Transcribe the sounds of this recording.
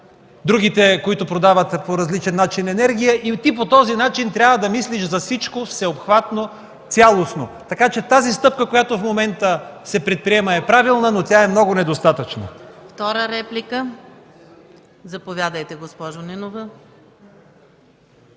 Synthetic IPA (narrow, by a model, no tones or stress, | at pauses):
d̪ɾuɡ̟it̪ɛkoit̪ʊpɾod̪avət̪poɾɐzlit͡ʃɛnːat͡ʃinɛnɛɾɡ̟ʲijəʔit̪ip̬ot̪ɔzinat͡ʃint̪ɾʲjavəd̪ɐmisliʃzɐfsit͡ʃkofsɛopxvat̪no | t̪sʲalˠosnot̪ɐkat͡ʃɛt̪azist̪ɤpkəkojat̪ʊfmomɛnt̪əsɛpɾɛt̪̚pɾiɛməɛpɾavilˠnənot̪ʲaɛmnɔɡʊnɛd̪ost̪at̪ət͡ʃnə̰ft̪ɔɾəɾɛplikə | zɐpovʲjad̪əjt̪ɛɡospɔʒonɛnovə